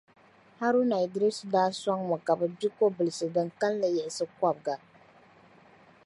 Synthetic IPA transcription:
ha˦ɾu˦na˨ɪ˨dɾi˦sdaː˦sɔ˦ŋmɔ˨ka˨bɨ˨bi˦ko˦bɨ˨lɨ˨sɨ˨dɨ˨ŋka˦lla˨jɛ˨ʔɪ˨sɨ˦kʷa˦b̚ɡa˨

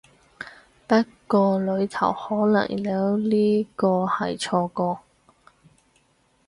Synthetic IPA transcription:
pɐ˥t̚kɔː˧lɵ˨˧ɥt̪ʰɐ̰˨˩whɔː˨˥lɐ̰˨˩ŋliɐ˨˥wliː˥kɔː˧hɐ˨jt͡ʃʰɔː˧kɔː˧

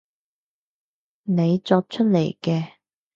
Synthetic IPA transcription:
ne˨˧jt͡sɔː˧k̚t͡ʃʰɵ˥t̚le˨˩jkɛː˧

